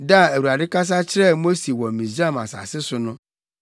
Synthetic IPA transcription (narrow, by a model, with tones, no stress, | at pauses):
da˦˨æ˨u˨a˨dɪ˦ka˦s̬a˦t͡ɕʰɪ˦ɾɛ˦˨mo˦si˨wɔ̃˨mĩ˨zi˦a˦mã̰˨sa̰˨sɪ˦sʊ˦nʊ̃˦